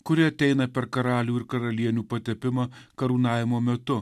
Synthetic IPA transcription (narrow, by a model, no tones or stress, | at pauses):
kʊɾʲɪɐt̪ʲɛɪnɐpʲɛɾkɐɾɑːlʲuːɪɾkɐɾɐlʲiɛnʲuːpɐt̪ʲɛpʲɪmɑkɐɾuːnɑːʋʲɪmoːmʲɛt̪ʊ